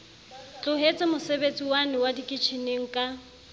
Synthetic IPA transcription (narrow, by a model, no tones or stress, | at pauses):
t͡ɬʼʊɦet͡sʼɪmʊsebet͡sʼiwanɪwadikʼɪt͡ʃʰineŋ̩kʼa